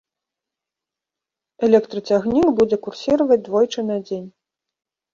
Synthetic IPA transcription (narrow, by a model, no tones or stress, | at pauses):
ɛlʲɛkt̪ɾɐt͡sʲaɣnʲikbud͡zʲɛkursʲiɾɐvɐd͡zʲd̪vɔjt͡ʂɨnad͡zʲenʲ